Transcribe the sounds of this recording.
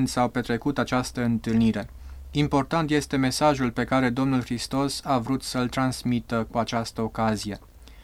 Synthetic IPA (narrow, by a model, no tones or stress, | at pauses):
nd̪sawpe̞t̪ɾe̞kut̪at͡ʃast̪əɨnt̪ɨlniɾe̞ | impo̞rt̪ant̪je̞st̪e̞me̞saʒulpe̞kaɾe̞d̪o̞mnulxɾist̪o̞savɾut̪səlt̪ɾansmit̪əkuat͡ʃast̪əo̞kazije̞